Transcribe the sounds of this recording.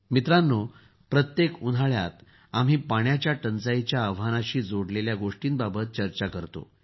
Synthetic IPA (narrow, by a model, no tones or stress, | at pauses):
mit̪ɾanːo | pɾət̪jekun̤ʱaɭja̰t̪ | am̤iːpaɳjat͡ɕjaʈənt͡sajt͡ɕjaəʋ̤anaɕiːd͡zoɽleljaɡoʂʈiːnbabət̪̚t͡ɕəɾt͡ɕakəɾt̪o̰